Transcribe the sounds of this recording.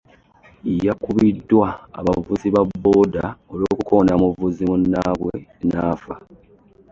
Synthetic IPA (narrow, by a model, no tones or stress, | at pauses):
ijakuβidːwa̰ːβavuziβabːoːdaolo̞ːkukonamuvuzimunːaːβwḛnaːfa